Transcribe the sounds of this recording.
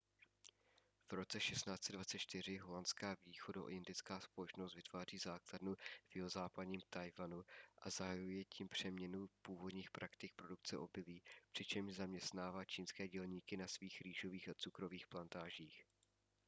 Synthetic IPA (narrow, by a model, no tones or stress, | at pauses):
v̥ɾo̞t͡sɛʃɛst̪naːt͡sɛdvatt͡sɛt̪t͡ʃt̪ɪr̝ɪɦo̞lant̪t͡skaːviːxodaʔo̰ɪndɪt͡skaːspo̞lɛt͡ʃnost̪vɪt̪vaːriːzaːkladnuvjɪɦozaːpadɲiːmt̪ajvanuʔazaɦajujɛciːmpr̝̥ɛmɲɛnupuːvo̞dɲiːxpɾʔakt̪ɪk̚pɾo̞duk̚t͡sɛ̰ʔo̞bɪliːpr̥ɪt͡ʃɛmʒzamɲɛst̪naːvaːt͡ʃiːnskɛːɟɛlɲiːkɪnasviːxɾiːʒo̞viːxat͡sukɾo̞viːxplant̪aːʒiːx